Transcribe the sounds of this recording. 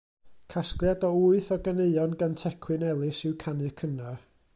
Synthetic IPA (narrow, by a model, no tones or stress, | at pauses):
kʰasklˠjadɔuɨθɔɡəneɨɔnɡantʰɛkʰwɨnɛlˠɨsɪwkʰanɨkʰənar